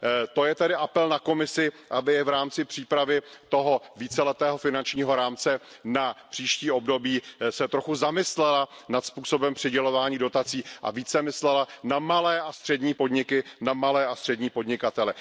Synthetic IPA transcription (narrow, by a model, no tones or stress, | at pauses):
t̪o̞jɛt̪ɛdɪʔapɛlnako̞mɪsɪ | ʔabɪɛvɾaːmt͡sɪpr̥iːpɾavɪt̪o̞ɦo̞viːt͡sɛlɛt̪ɛːɦo̞fɪnant͡ʃɲiːɦo̞ɾaːmt͡sɛnapr̝̥iːʃciːo̞bdo̞biːsɛt̪ɾo̞xuzamɪslɛlanat̪spuːso̞bɛmpr̥ɪɟɛlo̞vaːɲiːdo̞t̪at͡siːʔa̰viːt͡sɛmɪslɛlanamalɛːʔast̪r̝̥ɛdɲiːpo̞dɲɪkɪnamalɛːast̪r̝̥ɛdɲiːpo̞dɲɪkat̪ɛlɛ